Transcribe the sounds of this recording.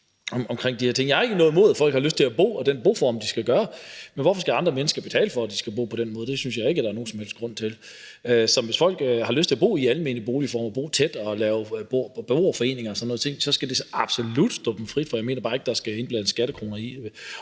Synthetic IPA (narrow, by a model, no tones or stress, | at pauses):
ɒmɒ̽mkʰʁeŋ̰d̥iheɐt͡sʰe̝ŋ̰jɑ̈hɑ̈e̝ɡ̥ənɔ̽ːð̩ˠmo̝ːð̞ˠfɒ̽l̰ɡ̥hɑløsd̥t͡sʰe̝læb̥o̝̰ːɒ̽d̥enb̥o̝̰ːfɒmd̥isɡ̥æɡ̥ɶːɐmenʋɒfɒ̽sɡ̥æɑ̈nd̥ʁɐmenəsɡ̥ɐb̥e̝t͡sʰɛ̰ːləfɒ̽d̥isɡ̥æb̥o̝̰ːpʰɒ̽d̥enmɔ̽ːðˠde̝synsjɑ̈ɪe̝ɡ̥əd̥ɑ̈ɐno̝ːn̩sɒ̽mhel̰d̥ɡ̥ʁɔ̽n̰t͡sʰe̝l | øsɒ̽ʋe̝sfɒ̽l̰ɡ̥hɑ̈løsd̥t͡sʰe̝æbo̝̰ːiælme̝ːnib̥o̝ːlifɒ̰ːmɒb̥o̝̰ːt͡sʰed̥ɒ̽lɛːʊb̥ob̥eo̝ːfɒ̽e̝̰ːne̝ŋɐːsɒnːɔ̽ðˠt͡sʰe̝ŋ̰sɒ̽sɡ̥æd̥e̝sɑ̈b̥solud̥sd̥ɒb̥m̩fʁid̥fɒjɑ̈ɪme̝̰ːnɐb̥ɑ̈e̝ɡ̥əd̥ɑ̈sɡ̥æe̝nblænəsːɡ̥æɾ̥əkʰʁo̝ːnɐi